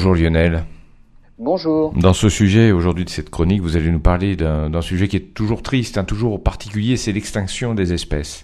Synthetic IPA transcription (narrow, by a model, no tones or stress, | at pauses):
ʒuʁljɔnɛl | bɔ̃ʒuːʁd̪ɑ̃səsyʒɛoʒuʁd̪ɥid̪əsɛt̪kχɔnikvuzalenupaʁled̪ɛ̃d̪ɛ̃syʒɛkʲiɛt̪uʒuʁt̪χist̪ɛ̃t̪uʒuʁpaʁt̪ʰikʲyljesɛlɛkst̪ɛ̃ksjɔ̃d̪ezɛspɛs